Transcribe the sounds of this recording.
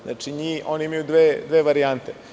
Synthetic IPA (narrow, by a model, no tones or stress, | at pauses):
zna̰ːt͡ʂiɲiːoːniimajud̪ʋed̪ʋeːʋaɾijant̪e